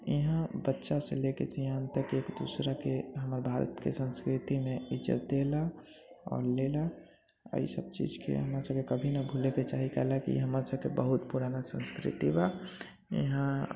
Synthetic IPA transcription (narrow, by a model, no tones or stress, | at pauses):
jeɦãbətːʃasḛlekḛsʰeɦãt̪əkeːkd̪uːsɾakeɦəməɾbʱaːɾə̰t̪kḛsə̃nskɾɪt̪imẽɪd͡ʒə̰t̪̚d̪ela | ɔ̰ːɾlela | ə̰ḭsəb̚t͡ʃḭːd͡ʒkḛɦəmɾasəb̚kekəbʱinabʱuleket͡ʃaːɦikɛɦlakḭɦəməɾsəb̚kebəɦut̪puɾanasə̃nskɾɪ̰t̪iba | jɪ̰ɦã